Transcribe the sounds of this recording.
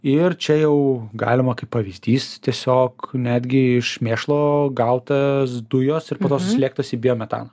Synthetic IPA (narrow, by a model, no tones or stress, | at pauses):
ɪrt͡ʃʲɛjɛʊɡɑ̰ːlʲɪmɐkɐɪpːɐʋʲizʲd̪ʲiːst̪ʲiɛsʲoːknʲæːd̪ʲɡʲɪɪʃmʲeːʃlˠoːɡɐʊt̪ɐsd̪ʊjoːsɪɾpoːt̪oːsʊsʲlʲeːk̚t̪oːsʲiːbʲɪjoːmʲɛt̪ɑ̰ːnɐ